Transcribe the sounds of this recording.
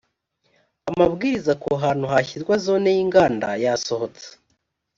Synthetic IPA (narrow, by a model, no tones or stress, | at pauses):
amabɡiːɾizakoɦaːn̥uɦaçiɾɡwazo̞ːne̞jiːŋɡaːndajaso̞ho̞t͡se̥